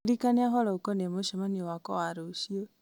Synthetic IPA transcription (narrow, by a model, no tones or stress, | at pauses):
ɾikaniaɦɔlɔokonemoʃɔmaɲewakɔ̰waɾoʃio